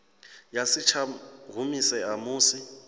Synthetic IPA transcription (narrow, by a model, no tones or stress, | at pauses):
jasit͡ʃʰaɣʱumisɛamuːsi